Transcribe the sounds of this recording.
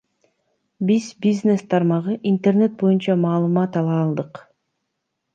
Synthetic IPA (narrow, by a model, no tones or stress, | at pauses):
bizbizne̞st̪ʰɑɾmɑʁɯʔint̪erne̞t̪̚bo̞junt͡ʃɑmɑːlˠɯmɑt̪ɑlˠɑːlˠd̪ɯq